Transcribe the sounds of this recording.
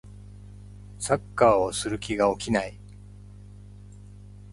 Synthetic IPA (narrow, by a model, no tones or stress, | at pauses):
sakːaːosɨɾɯ̟kʲiɡao̞kʲinai